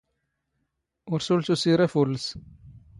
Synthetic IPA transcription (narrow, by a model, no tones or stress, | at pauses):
ʊɾsulsusiɾafuls